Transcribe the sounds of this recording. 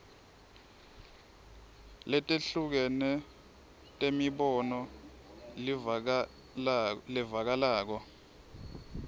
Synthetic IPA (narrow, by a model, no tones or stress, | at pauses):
lɛtʼeɬuk̬ɛnɛ | tʼemiɓɔnɔ | lɛvak̬alaːk̬ɔ